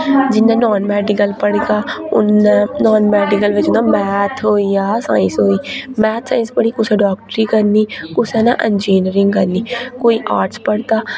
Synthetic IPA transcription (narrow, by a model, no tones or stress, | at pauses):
d͡ʒɪnːãːnɔːnmɛːɖɪkəlpəɽɡaːʊ̰nːnɔːnmɛːɖɪkəlʋɪt͡ʃʊnãːmɛːt̪ʰɦoːiːaːsa̰ːɪ̃sɦoːiːmɛːt̪ʰsãːɪ̃nspəɽiːkʊsɛ̃ːɖɔːk̚ʈəɾiːkəɾniːkʊsɛ̃ːnã̰ːʔɛnd͡ʒiːnəɾɪ̃ŋɡkəɾnːiːkoːiːʔaːɾʈspəɽt̪aː